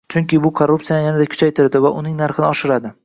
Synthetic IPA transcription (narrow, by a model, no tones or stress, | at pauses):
t͡ʃʰʊŋkʲɪbʊkʰoɾːupsijajanad̪akʰʊ̥t͡ʃʰajt̪ʰɪɾd̪ɪvaʔʊnɪŋnaɾχɪnɪɒʃɪɾad̪ɪ